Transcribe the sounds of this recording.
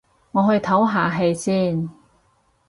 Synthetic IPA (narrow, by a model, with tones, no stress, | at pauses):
ŋɔː˨˧ɦɵ˧ɥt̪ʰɐ˨˥wɦaː˨˧ɦe˧jsiː˥˩n